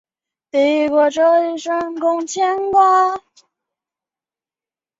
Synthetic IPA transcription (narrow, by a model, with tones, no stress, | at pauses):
t̪i˧˩kɔ˧˩ʈ͡ʂɤ˥˧i˧˩ʂə˥nkʊ˥ŋt͡ɕʰjɛ˥nkwa˥